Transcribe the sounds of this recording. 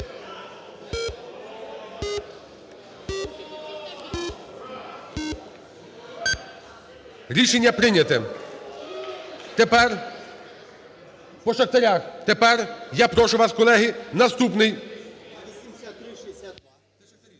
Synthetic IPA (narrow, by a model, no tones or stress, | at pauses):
ɾʲiʃenʲːɐpɾɪnʲɐt̪ɛ | t̪epɛr | pɔʃɐxt̪ɐɾʲaxt̪epɛrjapɾɔʃʊʋɑskɔlˠɛɦɪnɐst̪upnɪj